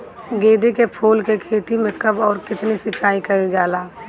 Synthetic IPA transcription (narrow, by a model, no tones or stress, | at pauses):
ɡeːd̪ekepʰuːlkekʰeːt̪imẽkəbɔːɾkɪt̪nisɪt͡ʃaːikɐid͡ʒaːlaː